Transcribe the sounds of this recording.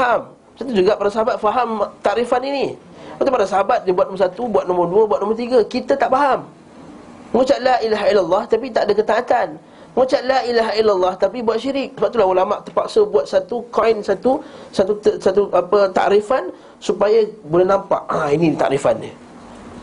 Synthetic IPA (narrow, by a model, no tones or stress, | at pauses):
ɦam | sat̪̬ud͡ʒuɡaʔpadas̬aɦabat̪̚faɦamt̪aʔɾifanini | baʔt̪upadasaɦabat̪̚diəbuat̪̚nɔmərsat̪ubuat̪̚nɔmərduəbuat̪̚nɔ̃mərt̪iɡakit̪ət̪aʔfaɦam | ŋut͡ʃaʔ̪laʔilaɦailalːɑht̪ap̬it̪aʔdakət̪aːt̪an | ŋut͡ʃaʔ̪lailaɦailːalːɑht̪apibuat̪̚ʃiɾɪk̚səbap̚t̪ulahulamaʔt̪ərpaksəbuat̪̚sat̪ukajnsat̪usat̪usat̪uʔapət̪a̰ʔɾifan | supajabolɛhnãmpa̰ʔainit̪a̰ʔɾifa̰ni